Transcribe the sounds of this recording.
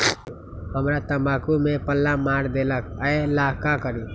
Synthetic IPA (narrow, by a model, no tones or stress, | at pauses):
ɦəmɾat̪əmakumepəlːamaɾd̪eləkəelaɦkakəɾi